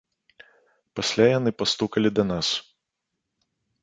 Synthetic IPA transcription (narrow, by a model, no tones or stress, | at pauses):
pasʲlʲajanɨpɐst̪ukɐlʲid̪ɐnas